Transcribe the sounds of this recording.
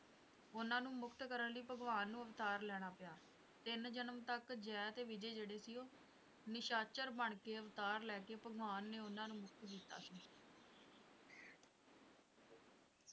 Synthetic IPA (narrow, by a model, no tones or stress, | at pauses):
ʊnãːnũːmʊkt̪kəɾənləiːpəɡʋaːnːũːəʋt̪aːɾlɛːɽ̃aːpɪjaː | t̪ɪnd͡ʒənəmt̪əkd͡ʒɛːt̪eːʋɪd͡ʒeːd͡ʒeːɽeːsiːoː | nɪʃaːt͡ʃəɾbəɳkeːəʋt̪aːɾlɛːkeːpəɡʋaːnːeːʊnãːnũːmʊk̚t̪d̪ɪt̪ːa̰ːsiː